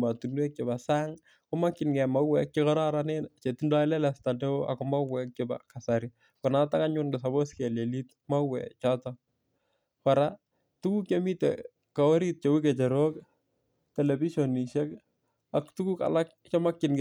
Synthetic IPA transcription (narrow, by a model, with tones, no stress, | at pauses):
ma˨tu˨nwe˦k̚t͡ʃe˨ba˨sa˦ŋ | kʊ˦ma˦kːɪ˨nɡɛ˨ma˦wɛ˨k̚t͡ʃekɔ˦ɾa˦ɾanent͡ʃe˨tundɔ˦ɪ˦lɛ˦lɛ˨sta˨nde˦a̰kʊma˦wɛ˨k̚t͡ʃeba̰ka˨saɾi | kʊ˨na˦ta˦ka˦ɲʊnɡesa˨bo˦ske˨le˨lit | ma˦wɛ̰t͡ʃɔ˦tɔ | ka˨ɾa˦ | tu˦ku˦kjo˦mi˦tḛ | ka˨o˦ɾi˦t̚t͡ʃo˨wi˦ke˨t͡ʃɛ˨ɾo˦k | tɛ˨lɛ˨bi˦ʃo˨ni˨ʃɛ˦k | aktu˦ku˦ka̰˨la˦k̚ | t͡ʃɔ˦ma˦kːɪnɡ